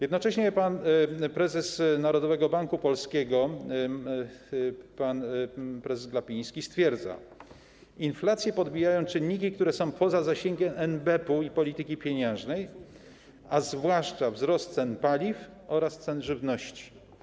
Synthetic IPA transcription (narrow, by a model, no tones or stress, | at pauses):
jɛd̪nɔt͡ʂɛɕɲɛpanpɾɛzɛsnaɾɔd̪ɔvɛɡɔbaŋkupɔlskʲeɡɔ | panpɾɛzɛslapʲĩj̃skʲist̪fʲjɛɾd̪za̰ | inflat̪sʲjɛpɔd̪bʲijajɔ̃w̃t͡ʂɘnːɲik̬ʲik̚t̪uɾɛsɔ̃w̃pʰɔzazaɕeŋɡʲɛʔɛnbɛpuipɔlʲit̪ɘkʲipʲjeɲɛ̃w̃ʐnɛj | azvwaʂt͡ʂavzɾɔst̪t̪sɛnpalʲif | ɔɾast̪sɛnʐɘvnɔɕt͡ɕi̥